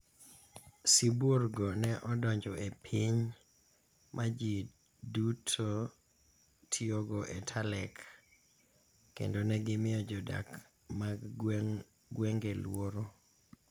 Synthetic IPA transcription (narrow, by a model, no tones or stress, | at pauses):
siburɡonɛʔɔdɔɲd͡ʒɔepʰiɲ | mʔad͡ʒi | dutʰo | tʰioɡɔʔetʰalɛk | ḛndonɛɡɪmɪɔd͡ʒɔda̰k | ma | ɡwɛŋɡelwoɾo